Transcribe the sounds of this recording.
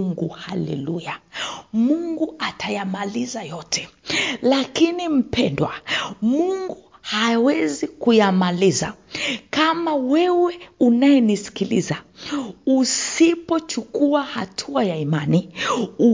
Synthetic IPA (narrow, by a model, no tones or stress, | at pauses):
ŋɡuhalɛ̰lujamuŋɡuatajamalizajɔtʰɛ̥lakinim̩pʰɛndwamuŋɡu | hawɛzikujamaliza̰kamawɛwɛunajɛnisi̥kilḭza | usipɔt͡ʃukuahatʰuajaimaniu